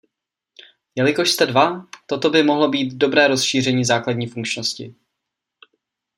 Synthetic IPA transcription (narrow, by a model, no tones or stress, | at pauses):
jɛlɪko̞ʃst̪ɛdvat̪o̞t̪o̞bɪmo̞ɦlo̞biːt̪do̞bɾɛːɾo̞sʃiːr̝ɛɲiːzaːkladɲiːfuŋkt͡ʃnoscɪ̰